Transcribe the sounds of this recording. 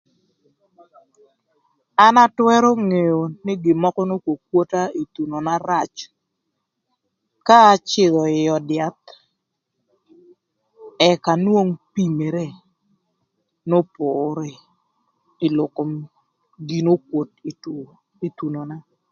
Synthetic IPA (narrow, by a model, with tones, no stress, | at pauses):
a˦na˦twɛ˦ɾo˦ŋe˨jo˨nɪ˦ɡɪ˨mɔ˦kɔ˦no˦kwo˨kwo˦ta˦i˨t̪u˨no˨na˦ɾa˨t͡ʃ | kaː˦t͡ʃɪ˦˨ðɔ˨ɪ˨jɔ˨dɪa˨t̪̚ | ɛ˨ka˨nwo˦ŋpi˦me˨ɾe˦˨ | no˦pʊɾe˨ | ɪ˨lʊ˨ko˨m | ɡi˨no˦kwo˨t | i˨t̪u˨no˨na˦